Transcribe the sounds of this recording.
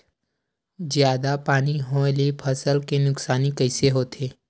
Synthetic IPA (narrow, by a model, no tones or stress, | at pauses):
zjaːd̪apaːniɦõlipʰəsəlkenʊksaːnikəɪseɦoːt̪ʰeː